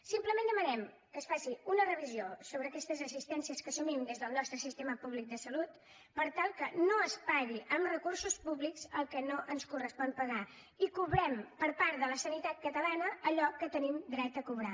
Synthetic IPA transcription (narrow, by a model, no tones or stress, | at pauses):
simpləmẽnd̪əmənɛm | kəːsfasiunərəβiziosoβɾəːkɛst̪əzəzist̪ɛnsiəskəsumimd̪ezðəlˠnɔst̪ɾəsist̪eməpuβlik̚d̪əsəlut̪ | pəɾt̪alˠkənoəspaɣiʔəmrəkursuspuβlikz̥əlˠkɛnoʔənskurəspɔnpəɣa | ikuβɾɛmpəɾpaɾt̪ðələsənit̪at̪̚kət̪əlanəːʎɔkːət̪ənimd̪ɾɛt̪əkuβɾa